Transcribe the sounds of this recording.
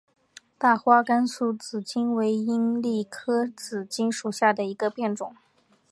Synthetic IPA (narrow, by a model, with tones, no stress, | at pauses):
t̪a˥˩xwa˥ka˥nsu˥˩t͡sɹ̩˨˩t͡ɕi˥nwe˧˥ɪi˥nli˥˩kʰɤ˥t͡sɹ̩˨˩t͡ɕi˥nʂu˨˩ɕja˥˩d̪ə˩i˧˥ɡə˧pjɛ˥˩nʈ͡ʂʊ˨˩˦ŋ